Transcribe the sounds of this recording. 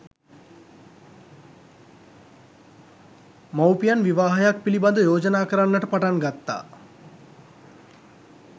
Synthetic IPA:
mawpijanʋiʋaːɦajak̚piliband̪əjoːd͡ʒənaːkəɾanːəʈəpaʈaŋɡat̪ːa̰ː

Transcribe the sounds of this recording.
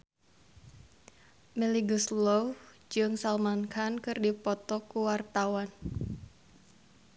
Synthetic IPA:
mɛliɡuslɔw | d͡ʒɨŋsalmankʰankɨrdipɔt̪ɔkuwart̪awan

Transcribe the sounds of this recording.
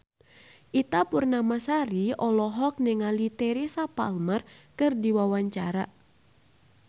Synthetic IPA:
ʔit̪apurnamasaɾiɔlɔɦɔk̚nɛŋalit̪ɛɾisapa̰lmərkɨrdiwawaɲt͡ʃaɾa

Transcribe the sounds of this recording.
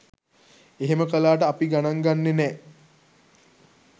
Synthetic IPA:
eɦeməkəlaːʈ̬əapiɡanaŋɡanːenɛ

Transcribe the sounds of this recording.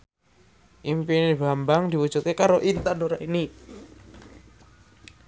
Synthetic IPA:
ʔimpinbambaŋd̪i̤wud̥ʒ̥ut̪̚kekaɾoʔint̪anoɾaini

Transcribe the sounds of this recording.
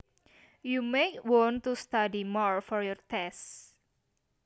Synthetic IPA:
jumekwɔ̃nt̪ust̪adimɔɹfɔɾjɔrt̪ɛst

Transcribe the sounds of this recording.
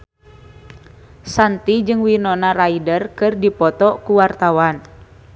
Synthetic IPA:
sant̪id͡ʒɨŋwinɔnaraidərkɨrdipɔt̪ɔkuwart̪awan

